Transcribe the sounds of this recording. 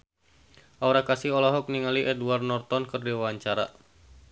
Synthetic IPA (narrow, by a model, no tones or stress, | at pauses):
ʔɔɾakasiɔlɔɦɔk̚niŋaliʔɛduarnɔrt̪ɔnkɨrdiwawaɲt͡ʃaɾa